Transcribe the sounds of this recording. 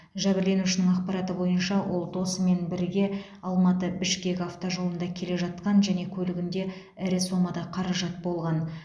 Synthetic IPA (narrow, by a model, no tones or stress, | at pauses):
ʒæbɪɾle̞nuʃɪnɪŋɑq̚pɑɾɑt̪əbo̞jənʃɑwo̞lˠd̪o̞səme̞nbɪɾɡʲe̞ | ɑlˠmɑt̪əbɪʃkʲe̞kʲɑft̪oʒo̞lˠənd̪ɑkʲʰe̞le̞ʒɑt̪qɑnʒæne̞kʲʰɵlɪɡʲɪnd̪e̞ | ɪɾɪso̞mɑd̪ɑqʰɑɾɑʒɑt̪̚bo̞lˠʁɑn